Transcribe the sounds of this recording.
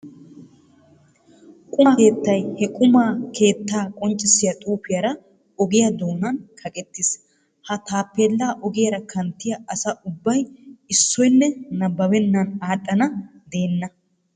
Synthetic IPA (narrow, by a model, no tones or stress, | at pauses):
kʼʊke̞ːt̪ːɐjhɛkʼʊmaːkʰe̞ːt̪ːaːkʼɔnt͡ʃʼːɪsɪjɐt̪ʼuːpɪjɐɾɐ | ɔɡɪjɐd̪oːnɐnkʰɐkʼɛt̪ːɪs | hɐt̪aːpːeːlːaːʔɔɡɪjɐɾɐkʰɐnt̪ːɪjɐʔɐsɐʔʊbːɐjɪsːɔjnːɛnɐbːɐwɛnːɐnaːt̪ʼːɐnɐd̪e̞ːnːɐ